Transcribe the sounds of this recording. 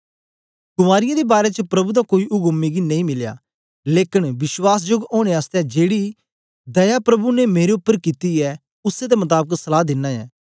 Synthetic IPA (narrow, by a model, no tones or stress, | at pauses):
kʊmaːɾɪjãd̪ebaːɾet͡ʃəpɾɐbud̪akoːiʔʊɡʊmːiɡinɐ̃ĩmɪlja̰ː | leːkɪɽʋɪʃwaːs̬d͡ʒoɡoːɽ̃eaːst̪ɛd͡ʒeːɽi | d̪ɐjapɾɐbunemeːɾeʊpːəɾkit̪iɛː | ʊsed̪emɐt̪̬aːbəksɐlaːd̪ɪnːaːɛ̰ː